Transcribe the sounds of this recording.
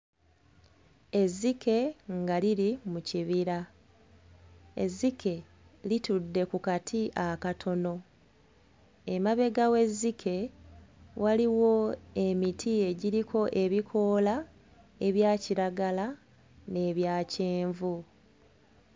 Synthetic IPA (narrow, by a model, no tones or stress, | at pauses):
e̞zːikʰe̞ŋɡaliɾimuciβiɾa | e̞̰zːike̞ | litudːe̞kukatʰiʔakatʰo̞no̞ | e̞maβe̞ɡawe̞zːikʰe̞ | wʔaliwo̞e̞mitʰie̞ɟiɾikʰo̞ʔe̞βikʰo̞la | e̞βjaːciɾaɡala | ne̞ːβjaːceːɱvu